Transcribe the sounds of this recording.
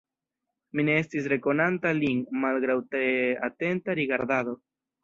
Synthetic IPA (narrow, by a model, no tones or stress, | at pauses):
mine̞e̞stis̬ɾe̞ko̞nantalinmalɡɾawtea̰te̞ntaɾiɡaɾdado̞